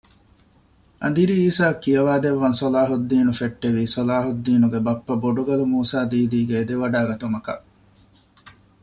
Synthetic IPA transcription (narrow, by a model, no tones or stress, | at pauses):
ɐ̰nd̪iɾiiːsaːkːijɐʋaːd̪eʋːɐnsolaːɦud̪ːiːnufeʈːeʋiːsolaːɦud̪ːiːnuɡebɐpːɐboɖuɡɐlumuːsaːd̪iːd̪iːɡeːd̪eʋɐɖaːɡɐt̪umɐkɐ̰ʔ